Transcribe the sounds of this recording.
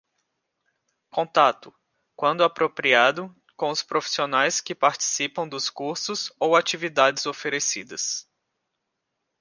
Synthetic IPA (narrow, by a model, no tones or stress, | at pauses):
kõt̪at̪ʊ | kwɐ̃nd̪ʊapɾopɾiad̪ʊ | kõʊspɾofi̥sionajskɪpaɾt͡ʃi̥sipɐ̃w̃d̪ʊskuɾsʊzowat͡ʃivid̪ad͡ʒɪzofeɾesid̪ɐs